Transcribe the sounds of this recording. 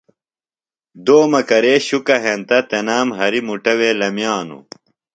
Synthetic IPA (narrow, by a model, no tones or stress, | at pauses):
d̪oːmɐkɐɾeːɕukɐɦẽnt̪ɐt̪enaːmɦɐɾimuʈɐweːlɐmjaːnṵ